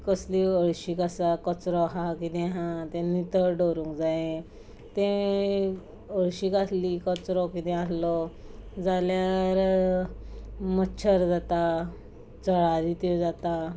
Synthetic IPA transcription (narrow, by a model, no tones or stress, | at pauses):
kəsliəɭɕikasakət͡sɾɔɦakid̪ɛ̃ɦãt̪ẽnit̪əɾɖoɾũŋkd͡zajẽ | t̪ẽ | əɭɕikaslikət͡sɾɔkid̪ɛ̃aslɔd͡zaljaɾ | mətːɕʰəɾd͡zat̪a | t͡səɭaɾit̪ed͡zat̪a